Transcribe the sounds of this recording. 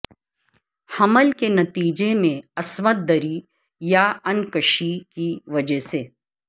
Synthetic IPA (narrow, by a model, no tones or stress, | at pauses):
hɐməlkenɐt̪iːd͡ʒemẽɐsmət̪̚d̪əɾi | jaɐnkəʃikiʋɐd͡ʒəseː